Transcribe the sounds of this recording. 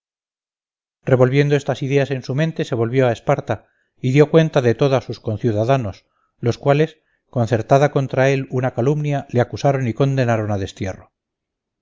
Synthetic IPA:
re̞βo̞lβje̞nd̪oe̞st̪asiðe̞ase̞nsumẽnt̪e̞se̞β̞o̞lβjo̞ae̞spaɾt̪a | iðjo̞kwe̞nt̪aðe̞t̪o̞ðasusko̞nθjuðaðano̞s | lo̞skwale̞s | ko̞nθe̞ɾt̪aðako̞nt̪ɾae̞lunakalumnjaleakusaɾo̞niko̞nd̪e̞naɾo̞naðe̞st̪je̞ro

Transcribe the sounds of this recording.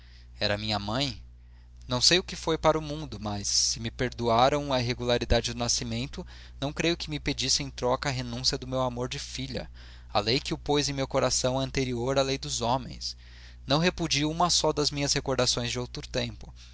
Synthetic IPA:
ɛɾɐmĩɲɐmɐ̃j̃ | nɐ̃w̃sejʊkɪfojpaɾʊmũnd̪ʊmɐsːɪmɪpeɾd̪uaɾɐ̃w̃ɐiɦeɡulaɾid̪ad͡ʒɪd̪ʊnasimẽnt̪ʊ | nɐ̃w̃kɾejʊkɪmɪped͡ʒisɪẽj̃t̪ɾɔkɐːɦenũsiɐd̪ʊmewamoɾd͡ʒɪfiʎɐ̰ | ɐ̰lejkɪʊpojzẽj̃mewkoɾasɐ̃w̃ɐ̃nt̪eɾioɾɐlejd̪ʊzomḛ̃j̃s | nɐ̃w̃ɦepud͡ʒiũmɐsɔd̪ɐzmĩɲɐshekoɾd̪asõj̃zd͡ʒɪowt̪ɾʊt̪ẽmpʊ̥

